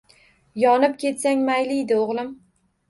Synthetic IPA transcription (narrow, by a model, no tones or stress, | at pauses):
jɒnɪp̚kʲʰe̞t̪saŋmajlɪjd̪ɪoʁlˠɪm